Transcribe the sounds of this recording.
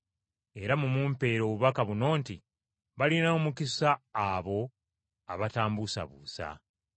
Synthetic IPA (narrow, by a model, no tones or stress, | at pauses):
e̞ɾamumuːmpe̞ːɾo̞ːβuβakaβuno̞ːnti | βalinaomukisaːβo̞ | aβataːmbusa̰βṵːsa̰